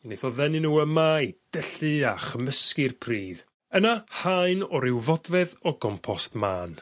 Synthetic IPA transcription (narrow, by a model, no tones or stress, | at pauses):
neθɔðɛnɨnuːəmaid̥əɬɨaχəməskɨrpʰriːð | ənahaɨnɔɾɪwvɔdvɛðɔɡɔmpʰɔstmaːn